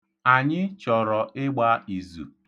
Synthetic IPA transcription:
a˨ɲɪ˦t͡ʃɔ˨ɾɔ˨ɪ˦ɡ͡ba˦i˨zṵ˨

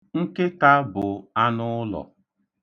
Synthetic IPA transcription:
ŋ̩˦ke˦ka˦bʊ˨a˦nʊ˦lɔ̰˨

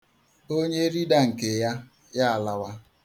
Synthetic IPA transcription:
o˦ɲe˦ɾi˦da˦ŋ̩˨ke˨ja˦ | ja˦a˨la˨wa˦

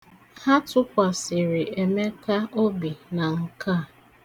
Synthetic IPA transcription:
ha˦tʊ˦kʷa˨sɪ˨ɾɪ˨e˨me˦ka˦o˦bi˨na˨ŋ̩˨ka˦˨

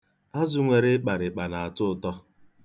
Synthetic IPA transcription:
a˦zʊ˨ŋʷe˨ɾɪ˦k͡pa˨ɾɪ˨k͡pa˨na˨a˨tʊ˦˨tɔ˦

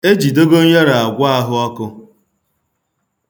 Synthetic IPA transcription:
e˦d͡ʒi˨do˦ɡo˦ɲa˦ɾa˨a˨ɡʷa˦a˦ɦʊ˦ɔ˦kʊ˦

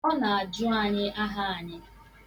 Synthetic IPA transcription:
ɔ˦na˨a˨d͡ʒʊ˦a˦ɲɪ˦ʔa˦ɦa˦a˨ɲɪ˦

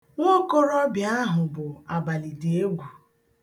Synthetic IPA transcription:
ŋo˦ko˦ɾɔ˦bja˦ɦʊ˨bʊ˨a˨ba˨li˨de˨e˦ɡʷu˨

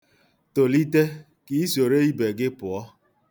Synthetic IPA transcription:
to˨li˦te˦ | ki˦i˦so˨ɾe˦i˦be˨ɡɪ˦pʊ˨ɔ˦

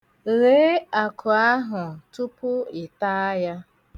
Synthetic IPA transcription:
le˦a˨kʰʊ˨a˦ɦʊ˨tu˦pʊ˦ɪ˨ta˦ja˦

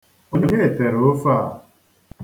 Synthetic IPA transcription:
o˦ɲe˦ɲe˦e˨te˨ɾo˦fa˦˨

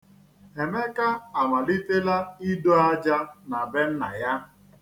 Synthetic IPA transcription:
e˨me˦ka˦a˨ma˨li˦te˦la˦i˦do˦a˦d͡ʒa˦na˨be˦n̩˦na̰˨ja˦

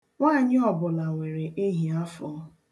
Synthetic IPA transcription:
ŋʷaː˦˨ɲɪ˦ɔ˨bʊ˨la˨ŋʷe˨ɾe˨ʔe˦ɦi˨a˦fɔ˦

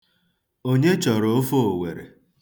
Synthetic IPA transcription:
o˦ɲe˦t͡ʃɔ˨ɾo˨o˦fo˦o˨wḛ˨ɾḛ˨

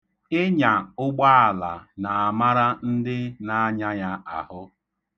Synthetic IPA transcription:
ɪ˦ɲa˨ʊ˦ɡ͡ba˦a˨la˨na˨a˨ma˦ɾa˦n̩˦dɪ˦na˨a˦ɲa˦ɲa˦a˨hʊ˦

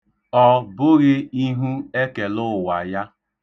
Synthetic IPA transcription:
ɔ˦bʊ˦ɣɪ˦i˦ɦu˦e˦ke˨lʊ˦˨wa˨ja˦

